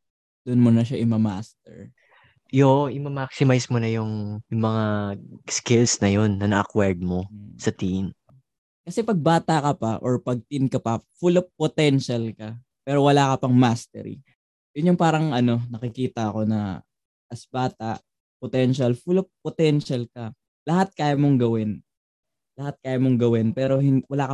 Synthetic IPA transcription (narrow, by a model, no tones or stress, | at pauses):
d̪̥ʊnmonɐʃ̬aʔɪmɐma̰st̪ɛ̰ɹ | joɪmɐmaksɪmajsmonɐjʊŋjʊŋmɐŋaskɪlsnɐjonːɐnɐʔɐkwɛɹd̪̚mosɐt̪in | kɐsɛpɐɡ̚baːt̪ɐkɐpɐʔoɹpɐɡ̚t̪inkɐpɐfulop̚pːot̪ɛnʃalkɐ | pɛːɾo̞wɐlaːkɐpɐŋmast̪ɛ̰ɾḭ | jʊnjʊŋpaːɾɐŋʔɐno̞nɐkɪkiːt̪ɐʔɐko̞nɐ̰ | ʔɐsbaːt̪ɐʔ | pot̪ɛnʃɐlfulɐp̚pːot̪ɛnʃɐlkɐ | lɐhat̪̚kaːjɐmoŋɡɐwɪn | lɐhat̪̚kaːjɐmoŋɡɐwɪnpɛːɾo̞hɪnwɐlaːkɐ